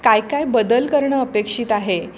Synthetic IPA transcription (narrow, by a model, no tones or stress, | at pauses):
kajkajbəd̪əlkəɾɳəəpekʂiːt̪aɦe